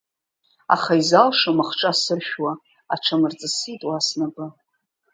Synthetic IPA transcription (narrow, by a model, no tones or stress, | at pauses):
a̰χaizalʂamaχʈ͡ʂʼasɨʃᶣwa | a̰ʈ͡ʂʰamɨrt͡sʼasitʼwasnabɨ